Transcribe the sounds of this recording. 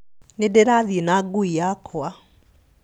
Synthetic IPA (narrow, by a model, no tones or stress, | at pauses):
nedeɾaðienaɡuijakʰoa